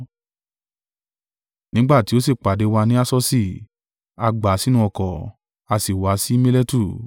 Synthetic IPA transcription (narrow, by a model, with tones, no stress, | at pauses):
nĩ˦ɡ͡ba˦˨ti˨˦o˦se˦˨k͡pa˨de˨˦wa˧nĩ˦a˦sɔ˦si˦˨ | a˧ɡ͡ba˨˦si˦nũ˧˦ɔ˧kɔ˨ | a˧si˨wa˨˦si˦mĩ˦le˦tu˦˨